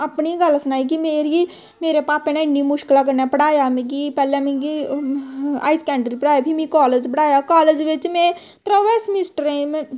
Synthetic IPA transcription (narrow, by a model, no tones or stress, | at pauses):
əpniɡəlsənaːik̬imeːɾi | meːɾepaːpẽnẽɪnːimʊʃkɪlak̬əɾnapəɽaːjamẽɡipɛːlemẽɡi | a̰ːɪskɛ̃ːɳɖɾipəɽaːjabʱimĩkaːled͡ʒpəɽaːjakaːled͡ʒʋɪt͡ʃmẽ | t̪ɾəʋeːsmɪsʈəɾẽm̃